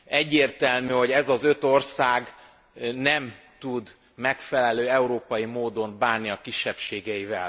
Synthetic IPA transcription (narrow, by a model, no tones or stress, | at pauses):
ɛɟːeːrt̪ɛlmyːho̞ɟɛzɒzø̞t̪o̞rsaːɡ | nɛm | t̪ud̪ | mɛkfɛlɛløːɛuɾoːpɒjimoːd̪o̞mbaːnːiɒkiʃːɛpʃeːɡɛjivɛ̰l